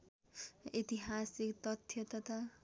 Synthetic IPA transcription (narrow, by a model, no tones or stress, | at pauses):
it̪iɦasikt̪ʌt̪ʰjʌt̪ʌt̪a